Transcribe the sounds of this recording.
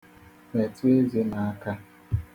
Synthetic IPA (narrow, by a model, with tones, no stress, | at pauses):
me˨tu˦e˦ze˦na˨a˦ka˦